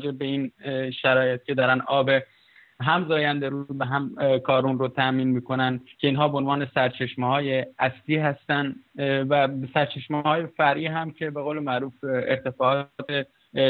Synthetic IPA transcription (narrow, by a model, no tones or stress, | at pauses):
d͡ʒebbe̞iːnʃæɾɒːjet̪̚cʰʲe̞d̪ɒːɾænɒːbe | ɦæmzɒːjænd̪eɾuzvæɦæmkʰɒːɾuːnɾot̪ʰæʔmiːnmiːko̞næncʰe̞iːnɦɒːbeonvɒːnesæɾt͡ʃʰeʃmeɦɒːje̞æsliːɦæst̪ænvæsæɾt͡ʃʰeʃmhɒːje̞fæɾʔiːɦæmcʰe̞be̞ɣowlemæɾuːfeɾt̪ʰe̞fɒːʔɒːt̪ʰe